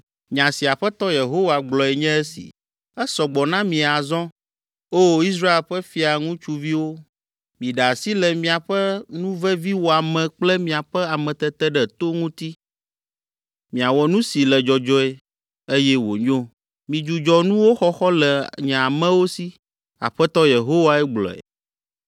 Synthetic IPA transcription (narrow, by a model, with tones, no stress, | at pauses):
ɲã˨si˨a˨ɸɛ˦t̪ɔ˦je˨ɦo˦wa˨ɡ͡blɔ˨ɛ˨ɲɛ̃˦ɛ˦sḭ˨ | ɛ˦sɔ˨ɡ͡bɔ˨nã˦mĩ˨a˨zɔ̃˦ | o˦i˦s̬ɾa˦e˨lɸɛ˦fi˦a˨ŋũ˦t͡ʃu˨vi˦wo˦ | mĩ˨ɖa˨si˦lɛ˨mĩ˨a˨ɸɛ˦nũ˦vɛ˦vi˦wo˨a˨mɛ̃˨k͡plɛ˦mĩ˨a˨ɸɛ˦a˨mɛ̃˨t̪ɛ˦t̪ɛ˦ɖɛ˨t̪o˦ŋũ˦t̪i˦ | mĩ˨a˨wɔ˨nũ˦si˨lɛ˨d͡ʒɔ˨d͡ʒɔ˦ɛ˦ | e˦jɛ˦wo̰˨ɲõ˦ | mĩ˨d͡ʒu˨d͡ʒɔ˨nũ˦wo˦xɔ˦xɔ˦lɛ˨ɲɛ̃˨a˨mɛ̃˦wo˦si˦ | a̰˨ɸɛ˦t̪ɔ˦je˨ɦo˦wa˦ɛ˦ɡ͡blɔ̰˨ɛ̰˨